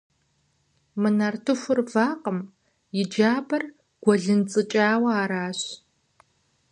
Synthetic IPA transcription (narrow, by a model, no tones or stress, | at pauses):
mɨnartʰɨfʷʊrvaːqəm | jɪd͡ʒaːbɐr | ɡ̥ʷɔɮɨnt͡sʼɨt͡ʃʼaːwɐaːɾaːɕ